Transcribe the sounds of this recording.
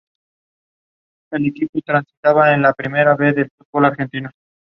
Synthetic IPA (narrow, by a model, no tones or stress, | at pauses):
elekiput̪ɾansit̪aβaenlapɾime̞ɾaβe̞ðelfud̪̚bolaɾxe̞nt̪ino